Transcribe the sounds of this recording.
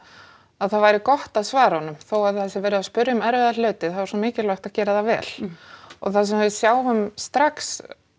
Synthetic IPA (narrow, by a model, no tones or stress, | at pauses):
aðθaðvajɾɪkɔht̪aðsvaːɾahɔnːʏmθowaðθɛsɪvɛːɾɪðaspʏɾjʏmɛɾvɪðalœːɥt̪ɪθaðvaɾsumɪːcɪlœwht̪aðcɛːɾaðavɛ̰ːl̥ɔ̰ɣθas̬ɛmhɛðʏsjaːwhʏmst̪ɾaks